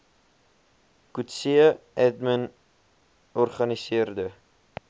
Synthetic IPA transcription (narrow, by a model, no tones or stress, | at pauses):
kutsiəɛdmən | ɔrχɐnisiərdə